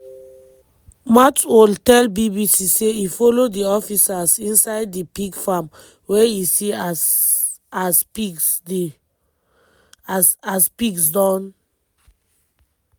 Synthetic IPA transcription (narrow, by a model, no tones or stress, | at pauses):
matoltɛlbibisiseifolodiɔfisasĩnsaɪdːipiɡfam | weisi | aspi | aspiɡsdɔ̃n